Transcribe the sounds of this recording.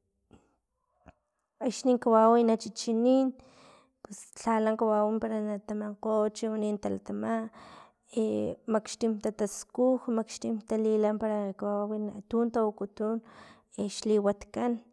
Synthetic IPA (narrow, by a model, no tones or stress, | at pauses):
akʃniːŋkawawinat͡ʃit͡ʃiniːn | pest͡ɬalaŋkawawimpaɾanat̪amaqot͡ʃiwanint̪alat̪amaʔ | emakʃt̪imt̪at̪askuxmakʃt̪imt̪alilampaɾakawaawina̰t̪unt̪awukut̪un | eʃliwat̪kan